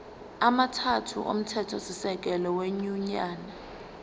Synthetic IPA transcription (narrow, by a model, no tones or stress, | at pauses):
amatʰatʰṵʔo̰m̩tʰɛtʰɔsisɛk̬ʼɛlɔweɲuɲaːna